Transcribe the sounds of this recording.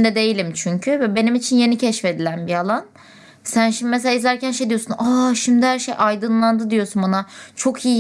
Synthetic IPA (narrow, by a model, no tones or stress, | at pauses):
nd̪ɛd̪e̞jilʲimt͡ʃʰyɲcʰyvɛbe̞nimit͡ʃʰinje̞nicʰɛʃfe̞d̪ilʲænbialˠan | sænʃimd̪imes̬elʲaizlʲæɾcænʃejd̪ijo̞sunaʃimd̪ihæɾʃejʔajd̪ɯnlˠand̪ɯd̪ijo̞sunbanat͡ʃʰo̞kʰiji